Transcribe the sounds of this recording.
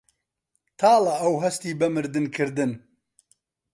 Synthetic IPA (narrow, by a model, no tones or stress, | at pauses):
t̪ʰaːlaɐwɦɐst̪iːbɐmɨɾd̪ɨnkʰɨɾd̪ɨn